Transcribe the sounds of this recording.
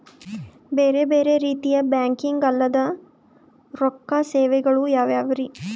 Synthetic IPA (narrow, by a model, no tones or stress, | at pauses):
beːɾe̞beːɾe̞ɾiːt̪ijɐbjaːŋkiŋɡɐlːɐd̪ɐ | ɾɔkːaseːʋɛɡɐɭujaːʋjaːʋɐɾi